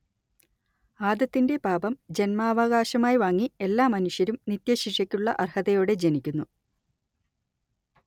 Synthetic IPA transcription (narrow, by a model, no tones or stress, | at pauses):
aːd̪ɐt̪ːinde̞baːbɐmd͡ʑe̞nmaːʋɐɣaːɕɐmaːjiʋaːŋːie̞lːaːmɐnuʂjɐɾumnit̪jɐɕiʂɐkʲːuɭːɐʔɐrhɐðɐjoːɽe̞d͡ʑe̞nikʲːunːu